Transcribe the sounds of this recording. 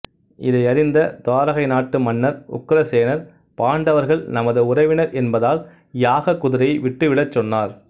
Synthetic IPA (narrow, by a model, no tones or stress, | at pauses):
ɪðɐɪɐɾɪnd̪ɐt̪aːɾɐɣɐɪnaːʈːɯmɐnːɐɾʊ̰kːɾɐseːnɐɾ | paːɳɖɐʋɐɾɣɐɭnɐmɐðɯʊrɐɪʋɪnɐɾɛnbɐðaːl | jaːɣɐkːʊðɪɾɐɪʋɪʈːɯʋɪɭɐt͡ʃːɔnːaːɾ